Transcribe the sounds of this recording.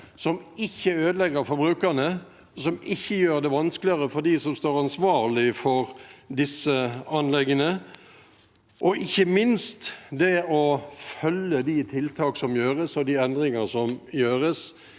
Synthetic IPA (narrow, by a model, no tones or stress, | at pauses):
sɔmɪçːəøːd̪əlɛɡəɾfɔɾbɾʉːkənə | sɔmɪçːəjøːɾd̪ɛʋɑnsklɪəʁəfɔd̪iːsɔmst̪oːɾɑnsʋɑːlɪfɔɾd̪ɪsːəɑnlɛɡːənə | ʔɔʔɪçːəmɪnst̪d̪ɛɔfœlːəd̪it̪ʰɪlt̪ʰɑːksɔmjøːɾəsɔd̪iɛnd̪ʁɪŋəsɔmjøːɾəs